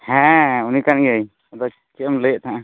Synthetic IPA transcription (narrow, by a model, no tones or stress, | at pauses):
hɛ̃unikanɡəj | ɔd̪ɔ | t͡ʃəmləjəʔt̪ʰaʔã